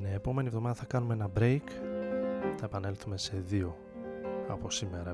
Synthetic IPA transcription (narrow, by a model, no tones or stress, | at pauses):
neːpo̞me̞nievðo̞mɐðɐθɐkɐnumee̞nɐbɾe̞jk | θɐepɐne̞lθume̞se̞ðio̞ | ɐ̰po̞sime̞ɾɐ